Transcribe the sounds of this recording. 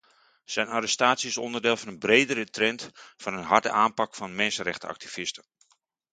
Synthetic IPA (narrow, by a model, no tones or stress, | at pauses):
sɛjnaɾɛstaːtsjiɪsɔ̰ndərdɪːlˠfɑnənbreːdəɾətrɛntfɑnənɦɑrdə̰ʔaːnpɑkfɑnmɛnsənrɛχtəɑ̰k̚tifɪstən